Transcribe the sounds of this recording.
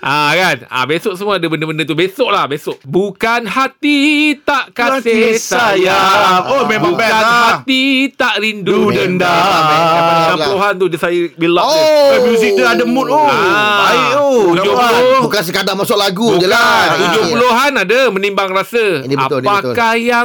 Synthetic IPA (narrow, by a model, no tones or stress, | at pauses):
ʔakana̰besoʔsəmuaadabəndəbəndət̪ubesoʔlahbesʊʔbukanhat̪it̪aʔkasesajaomembuanhat̪it̪aʔɾindudənda | anãpuloɦant̪udəsaibilaʔamjuzik̚t̪əadəmut̪̚oaiʔoud͡ʒolobukans̬əkadamasʊʔlaɡubud͡ʒəlat̪ud͡ʒʊhpuloɦanadamənimbaŋrasəapakahja